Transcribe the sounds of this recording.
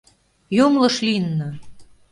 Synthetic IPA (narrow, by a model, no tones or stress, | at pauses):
jomlɤ̆ʃlinːɤ̆